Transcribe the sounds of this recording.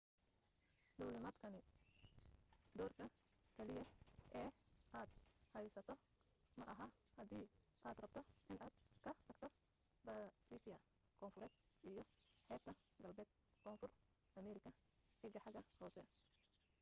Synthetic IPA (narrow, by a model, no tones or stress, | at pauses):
d̪ɔːlɪmɐːd̪kʰɐnɪ | d̪ɔːrkʰɐkʰɛlɪjɐʔɛːʔaːd̪hɛjsɐt̪ʰɔ | mɐʔɐɦɐhɐd̪iːʔaːd̪rɐb̚t̪ʰɔʔɪnʔaːd̪kʰɐt̪ʰɐɡ̚t̪ʰɔ | bɐsiːfɪjɐ | kʰɔːnfʊɾɛːd̪ʔijɔħɛːb̚t̪ʰɐɡɐlbɛːd̪̚ | kʰɔːnfʊr | ʔɐmɛːɾɪkʰɐħɪɡɐħɑɡɐhɔːsɛ